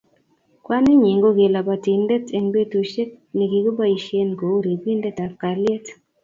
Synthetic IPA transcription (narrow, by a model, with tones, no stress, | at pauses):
kwa˦nɪ˦ɲi˨ŋɡo˦ɡe˨la˨ba˨ti˨ndɛ˦te˨ŋbe˦tu˨ʃe˦k̚ | ni˨ɡi˨ɡo˦ba˦i˨ʃe˦nko˨˦ɾi˨ɡi˦ndɛ˦ta˨p̚ka˨lɛ˦t